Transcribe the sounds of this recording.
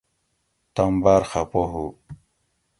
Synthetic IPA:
t̪ɐmbaɾxapoɦu

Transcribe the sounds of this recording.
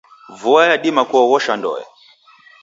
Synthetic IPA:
vuwajaɗimakɔɣɔʃandɔ̰ja̰

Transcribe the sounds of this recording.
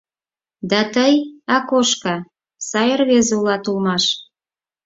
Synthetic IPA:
d̪ɑt̪əjɑkoʃkɑ | sɑjərβezeulɑt̪ulmɑʃ

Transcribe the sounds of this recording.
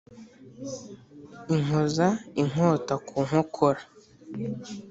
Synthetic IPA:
iŋ̥ozaiŋ̥oːtakʰuːŋ̥hokʰoɾa

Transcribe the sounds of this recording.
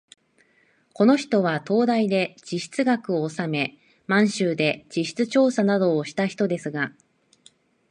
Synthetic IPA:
ko̞no̞çi̥t̪o̞β̞at̪o̞ːd̪aid̪e̞d͡ʑiɕi̥t͡sɨɡakɯ̟oːsame̞ | mãɰ̃ɕɨːd̪e̞d͡ʑiɕi̥t͡sɨt͡ɕo̞ːsanad̪o̞ːɕi̥t̪açi̥t̪o̞d̪e̞sɨɡa

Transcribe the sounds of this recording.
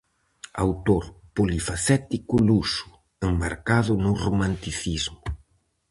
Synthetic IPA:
a̰wt̪oɾpolifasɛt̪ikʊlusʊ̥ | embaɾkaðʊnʊromãnt̪iθizmʊ

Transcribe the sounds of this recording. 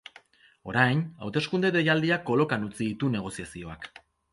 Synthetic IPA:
o̞ɾajna̰wt̪e̞skund̪e̞ðe̞jald̪iakːo̞lo̞kanut͡siðit̪une̞ɣ̞o̞siasio̞ak

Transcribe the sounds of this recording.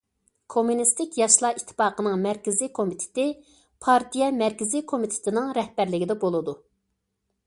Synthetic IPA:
kʰomunist̪ɪkʲjɑʃlˠɑit̪ʰːɪ̥pɑːqənɨŋmæɾkʲɪzikʰomit̪ʰɪ̥t̪ɪ | pʰɑɾt̪ʰijɛmæɾkʲɪzikʰomit̪ʰɪ̥t̪ʰɪnɪŋɾɛhbæɾlɪɡʲid̪ɛbolˠɨd̪u

